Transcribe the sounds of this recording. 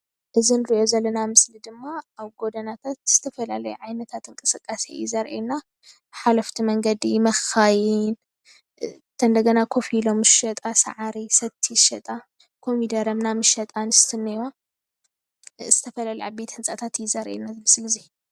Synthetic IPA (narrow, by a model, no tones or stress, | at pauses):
ʔɨzinɨɾiʔo̞zɐlːɐnamɨslid̪ɨmːaaβɡo̞d̪ɐnat̪ʰat̪z̥ɨt̪ʰɐfɐlalɐjuʕajnɐt̪ʰat̪ɨŋkʼɨsɨkʼːasḛjizɐɾʔḛna | ħalɐft̪ʰimɐŋɡɐd̪imɐxajin | t̪ʰɐnd̪ɐɡɐnakʰo̞filo̞mɨʃɐt̪ʼasa̰ʕaɾisɐt̪ʰːiʃɐt̪ʼa | kʰo̞mid̪ɐɾɐmnamɨʃɐt̪ʼanɨst̪ʰɨnːɐja | z̥ɨt̪ʰɐfɐlalɐja̰be̞t̪hɨnt͡sʼat̪ʰat̪jizɐɾʔḛnazɨmɨslɨzi